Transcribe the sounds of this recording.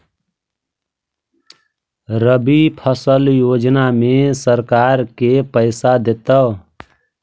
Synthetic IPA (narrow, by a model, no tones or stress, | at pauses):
ɾəbipʰəsəljod͡ʒnamesəɾkaɾkepəɪsad̪et̪ə